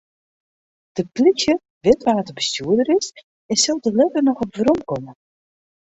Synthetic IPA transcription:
d̥əplixjə | ʋɪtʋaːtəbəstyədəɾɪs | ɪsɪlˠdəlɛvərnɔχɔpvəɾɔmkɔmə

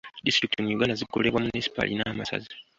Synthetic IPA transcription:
distɾiktimwiɡanazikole̞βwamunisi̥pa̰lḭnaːmasa̰zi

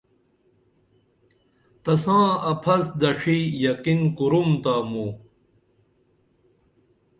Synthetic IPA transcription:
t̪ɐsãːɐpʰɐsd̪ɐʂijɐqinkuɾumt̪amu

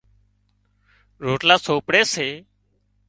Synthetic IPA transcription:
ɾoːʈlaːsoːpɽeːseː

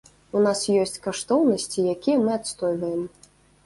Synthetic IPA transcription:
unasjɔsʲt͡sʲkaʂt̪ɔwnɐsʲt͡sʲijakʲijɛmɨat̪st̪ɔjvɐjɛm

